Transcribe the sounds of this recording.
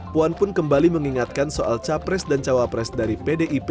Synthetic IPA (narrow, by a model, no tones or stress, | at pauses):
puanpʊnkəmbaliməŋiŋat̪̚kansoʔa̰lt͡ʃapɾɛsdant͡ʃawapɾɛsdaɾipedeʔip